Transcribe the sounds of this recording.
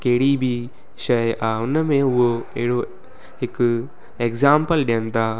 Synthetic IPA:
kɐɦɪɽibʱi | ʃɐjaːʊnəmẽʊɦoeɦɪɽo | ɦɪk | eːkzaːmpəlɗɪənt̪aː

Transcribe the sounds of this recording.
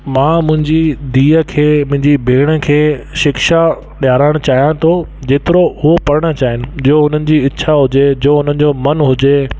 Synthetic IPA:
mãːmʊ̃ɦɪ̃ɲd͡ʑid̪iːəkʰeːmʊ̃ɦɪ̃ɲd͡ʑibʱeːɽ̃ə̆kʰeːʃɪkʃa | ɗjaːɾaːɪɽ̃t͡ɕaːɦjãt̪ʰod͡ʑeːt̪ɪɾoʊɦopɐɾəɽ̃ə̆t͡ɕaːɦɪnɪ̆d͡ʑoɦʊn̤ənɪ̆d͡ʑiːɪtːʃʰaɦʊd͡ʑed͡ʑoːɦʊn̤ənɪ̆d͡ʑoːmɐnɦʊd͡ʑe

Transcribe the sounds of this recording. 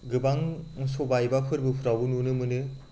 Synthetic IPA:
ɡɯbaŋsobajbapʰɯɾbɯpʰɯɾawbɯnunɯmɯnɯ

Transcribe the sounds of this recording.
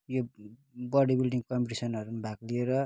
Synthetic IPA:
jobʌɽibilɖiŋkʌmpiʈisʌnʌɾumabʱaklieɾʌ

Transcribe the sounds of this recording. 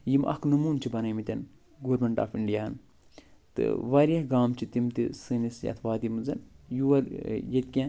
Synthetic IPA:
jimʔɐ̰knumuːnt͡ʃʰibɐnɐjmit̪ʲɐn | ɡoːɾmeɳʈa̰ːfiɳɖijaːɐn | t̪ɨ̰ʋaːɾijɐhɡaːmt͡ʃʰit̪imt̪isɨnisjɐ̰t̪ʰʋaːd̪imɨzɐnjuʋɐɾjet̪kʲãː

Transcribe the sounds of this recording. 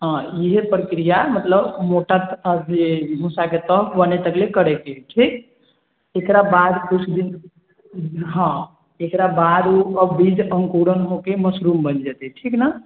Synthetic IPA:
ɦɔ̃iɦepɾəkɾijamət̪ləbmoʈat̪d͡ʒemũsaket̪əkʰbənet̪əklekəɾɛkeʈʰik | ekɾabad̪kut͡ʃʰd̪in | ɦɔ̃ | ekɾabad̪uəbbid͡ʒəŋkuɾənɦokeməsɾumbənd͡ʒat̪ɛʈʰikna

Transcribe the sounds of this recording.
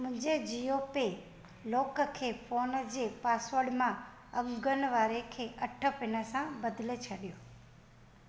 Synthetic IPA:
mʊ̃ɦɪ̃ɲd͡ʑed͡ʑioːpe | loːkəkʰeːfoːnəd͡ʑeːpaːsʋəɽmã | ɐŋɡənʋaːɾekʰeːʔɐʈʰə̆pɪnə̆sãbɐd̪ɪlet͡ɕʰɐɗijoː

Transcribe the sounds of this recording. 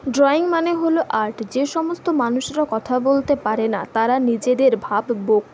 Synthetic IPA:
ɖɾɔiŋmaneɦoloʔaɾʈd͡ʑeʃɔmost̪omanuʃɾakɔt̪ʰabolt̪epaɾena̰t̪aɾanid͡ʑed̪eɾbʱabːok

